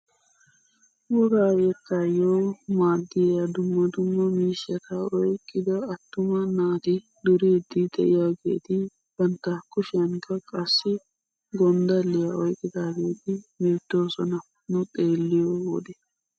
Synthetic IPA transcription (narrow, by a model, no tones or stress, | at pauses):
wɔɡaːɡekːɐjoːmaːd̪ːɪjjɐd̪ʊmːɐd̪ʊmːɐmiːʃɐt̪ɐɔjkʼːɪd̪ɐɐt̪ːʊmɐnaːt̪ɪ | d̪ʊɾeːd̪ːɪd̪ɛʔɪjaːɡe̞̰ːt̪ɪ | b̥ɐnt̪ːaːkːʊʃɪɐŋkːɐkʼɐsːɪ | ɡɔnd̪ɐlːɪjɐɔjkʼːɪd̪aːɡe̞ːt̪ɪbe̞ːt̪ːo̞ːsɔnɐ | nʊt̪ʼe̞ːlːɪjowɔ̰d̪ɛ